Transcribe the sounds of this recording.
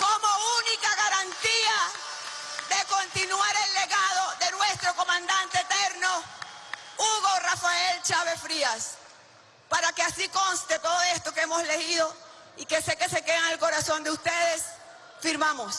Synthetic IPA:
komounikaɣaɾant̪ia | ðeko̞nt̪inwaɾelːeɣaðo̞ðe̞nwe̞st̪ɾo̞ko̞mãnd̪ant̪eet̪eɾno | uɣo̞rafaelt͡ʃaβe̞fɾias | paɾakeasiko̞nst̪et̪o̞ðoest̪o̞keemo̞sle̞ɣiðo̞ | ike̞seke̞se̞keɣaŋelko̞ɾaso̞nd̪eust̪eðe̞s | fiɾmamos

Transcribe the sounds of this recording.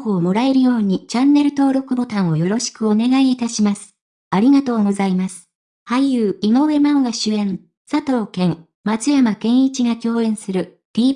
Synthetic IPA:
ho̞ːmo̞ɾae̞ɾɯ̟jo̞ːɲ̟it͡ɕãnːe̞ɾɯ̟t̪o̞ːɾo̞kɯ̟bo̞t̪ãɰ̃o̞jo̞ɾo̞ɕi̥kɯ̟o̞ne̞ɡaiːt̪aɕimasɨ̥ | aɾʲiɡat̪o̞ːɡozaimasɨ̥ | hajɯ̟ːino̞βe̞mãŋɡaɕɨẽ̞n | sat̪o̞ːkẽ̞ŋ | mat͡sɨjamakẽ̞ɰ̃it͡ɕiɡakʲo̞ːẽ̞ɰ̃sɨɾɯ̟ | d̪̥ʲiː

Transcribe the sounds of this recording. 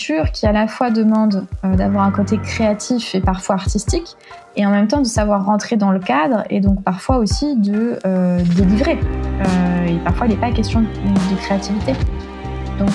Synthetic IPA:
syːʁkʲialafwad̪əmɑ̃d̪ød̪avwaʁɛ̃kot̪ekχeat̪ʰifepaʁfwaaʁt̪ist̪ik | eɑ̃mɛmt̪ɑ̃d̪əsavwaʁːɑ̃t̪χed̪ɑ̃ləkad̪ʁḛd̪ɔ̃kpaʁfwaosid̪əød̪elivʁeøepaʁfwailɛpakʲɛst̪jɔ̃d̪əkχeat̪ivit̪e | d̪ɔ̃k

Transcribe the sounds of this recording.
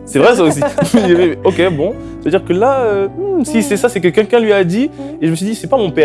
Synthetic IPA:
sɛvʁɛs̬aosimɛɛmɛmɛɔkʲebɔ̃ | savəd̪iʁkəlaøsisɛsasɛk̬əkʲɛlkʲɛ̃lɥiad̪ieʒəməsɥid̪isɛpamɔ̃pɛ

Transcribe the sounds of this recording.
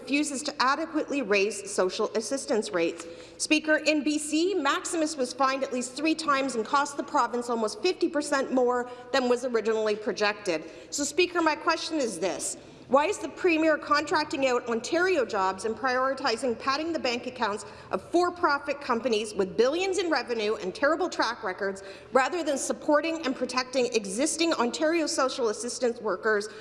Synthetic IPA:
fjʉzɨz̥tʰɨʔæɾɨkwɨʔliɹeɪz̥soʊʃl̩ˠɨsɪstɨ̃nsɹeɪts | pikə˞ʔɛ̃nbisimæksɨmɨswʌz̥fãɪ̃ndɨʔˡlist̪̚θɹitʰãɪ̃mzɨ̃n̩kʰɔst̪ðəpʰɹ̥ɑvɨ̃nsɔlˠmoʊstfɪftipə˞sɛ̃nmɔɹðɨ̃nwʌzə˞ɪd͡ʒɨnl̩ˠipʰɹ̥ɨd͡ʒɛk̚tɪd̚ | soʊspikə˞maɪkʰw̥ɛst͡ʃɨ̃nɨzðɪs | waɪɨzðɨpʰɹ̥ĩmiəɹkʰɑ̃ntʰɹ̥æk̚tɪ̃ŋaʊɾɑ̃ntʰɛɹioʊd͡ʒɑbzɨ̃npʰɹ̥aɪɔɹɨtʰaɪzɪ̃ŋpʰæɾɪ̃ŋðɨbæ̃ŋkɨkʰãʊ̃nts | ʔʌv̥fɔɹpʰɹ̥ɑfɨt̚kʰʌ̃mpɨnizwɨðbɪlˠjɨ̃nzɨ̃nɹɛvɨ̃nʉʔɨ̰̃ntʰɛɹəbl̩ˠtʰɹ̥ækɹɛkə˞dz̥ | ɹæðə˞ðɨ̃nsəpʰɔɹɾɪ̃ŋɨ̃npʰɹ̥ɨtʰɛk̚tɪ̃ŋɨɡzɪstɪ̃ŋɑ̃ntʰɛɹioʊsoʊʃl̩ˠəsɪstɨ̃nswɜ˞kə˞z̥

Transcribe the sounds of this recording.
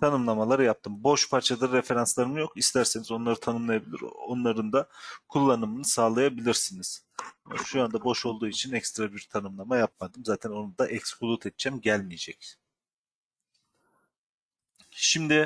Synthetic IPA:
t̪ʰanɯmlˠamalˠaɾɯjap̚t̪ʰɯmbo̞ʃpʰaɾt͡ʃʰad̪aɾefe̞ɾanslˠaɾɯmɯjo̞kist̪ʰæɾse̞nizo̞nlˠaɾɯt̪ʰanɯmlˠajabilʲḭɾo̞nlˠaɾɯnd̪akʰulˠːanɯmɯnɯsaːlˠajabilʲiɾsiniz̥̰ | ʃujand̪abo̞ʃo̞lˠd̪uːit͡ʃʰinɛcst̪ɾabiɾt̪ʰanɯmlˠamajap̚mad̪ɯmzaːt̪ʰɛno̞nud̪aʔɛcshulˠut̪ʰɛt̪̚t͡ʃʰɛmɟælʲmijed͡ʒɛc | ʃimd̪ɪ

